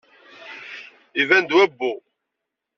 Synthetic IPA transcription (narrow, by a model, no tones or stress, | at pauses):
ivænd̪wæbːu